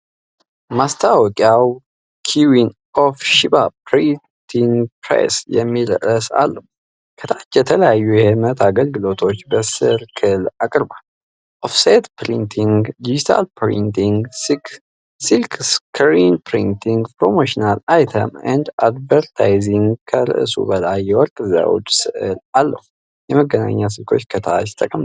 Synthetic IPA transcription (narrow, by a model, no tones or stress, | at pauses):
mast̪ʰawɔkʼjaw | kʰiwin | ofʃibapɾi | t̪ʰiŋɡpɾḛsjɛmːiɾə̰ʔəsa̰lːəhu | kʰət̪ʰat͡ʃːjɛt̪ʰələjajːujɛhɛmət̪ʰaɡəlɡɨlo̞t̪ʰo̞t͡ʃːbəsɨɾkʰɨlakʼɨɾbalː | ʔofset̪pɾint̪ʰiŋɡd̪id͡ʒit̪ʰa̰lpɾḭnt̪iŋɡsik | silkskʰəɾinpɾint̪ʰiŋɡpɾo̞moʃinalajt̪ʰə̰mɛnd̪ad̪vəɾt̪ʰajziŋɡkʰəɾɨ̰ʔɨsṵbəlajːɛwɔɾkʼɨza̰wo̰t͡ʃʼːsɨʔɨlalːə̰hu | jɛməɡəna̰ɲːas̬ɨlkʰo̞̰t͡ʃːkʰət̪ʰat͡ʃɪ̥t̪ʼəkʼəm